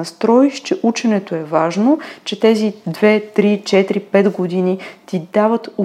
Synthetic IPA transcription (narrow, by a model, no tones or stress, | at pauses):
ɐst̪ɾɔiʃt͡ʃɛʔut͡ʃɛnɛt̪oɛvaʒnot͡ʃɛt̪ɛzid̪vɛt̪ɾit͡ʃɛt̪ɾipɛd̪ɡod̪init̪id̪avət̪u